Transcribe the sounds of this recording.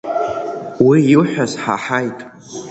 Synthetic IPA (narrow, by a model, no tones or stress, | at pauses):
wijɪlħʷᶣazħaħajtʼ